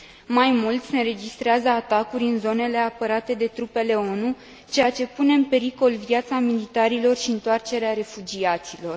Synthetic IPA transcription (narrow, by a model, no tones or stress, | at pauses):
majmult̪sʲenɾe̞d͡ʒist̪ɾeazəat̪akuɾʲɨnzo̞ne̞le̞apəɾat̪e̞d̪e̞t̪ɾupe̞le̞o̞nu | t͡ʃe̞jat͡ʃe̞pune̞ɨnpe̞ɾiko̞lvjat̪samilit̪aɾilo̞rʃiɨnt̪oart͡ʃe̞ɾeaɾe̞fud͡ʒiat̪silo̞r